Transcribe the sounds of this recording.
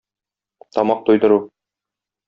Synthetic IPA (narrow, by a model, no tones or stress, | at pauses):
t̪ɒmɑq̚t̪ujd̪ɤ̆ɾu